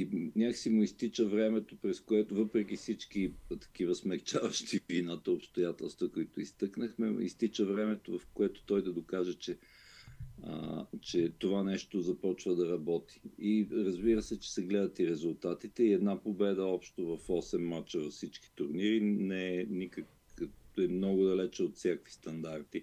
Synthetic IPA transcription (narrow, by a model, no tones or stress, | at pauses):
inʲaksimʊist̪it͡ʃəvɾɛmɛt̪opɾɛskoɛt̪ovɤpɾɛk̟ifsit͡ʃkit̪ɐ̥k̟ivəsmɛkt͡ʃavəʃt̪ivinat̪əopst̪ojat̪ɛlˠst̪vəkʊit̪ʊist̪ɤknəxmɛḭst̪it͡ʃəvɾɛmɛt̪ovɐfkoɛt̪o̥t̪ɔjd̪ɐd̪okaʒɛt͡ʃɛ | ə̰t͡ʃɛt̪ovanɛʃt̪ozɐpɔt͡ʃvəd̪ɐɾɐbɔt̪i̥iɾɐzbiɾəsɛt͡ʃɛ̥sɛɡlɛd̪ət̪iɾɛzʊlˠt̪at̪it̪ɛiɛd̪napobɛd̪əɔpʃt̪ovɐfɔsɛmːat͡ʃəvɐfsit͡ʃki̥t̪ʊɾniɾinɛɛnikək | ɛmnɔɡʊd̪ɐlɛt͡ʃɛot̪sʲjakvi̥st̪ɐnd̪aɾt̪i